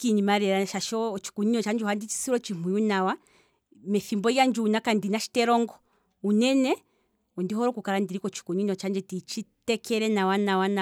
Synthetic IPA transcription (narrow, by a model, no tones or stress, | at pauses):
kiɲimaɾɛɾaʃaʃɔt͡ʃi̥kuɲiɲɔt͡ʃand͡ʒuhandit͡ʃi̥siɾɔt͡ʃimuunawa | mɛfimbɔjand͡ʒuunakandinaʃi̥tɛɾɔŋɡɔ | unɛnɛ | ɔndiɦɔɾɔkukaɾandiɾikɔt͡ʃi̥kuɲinɔt͡ʃand͡ʒɛtit͡ʃitɛkʰɛɾɛnawanawana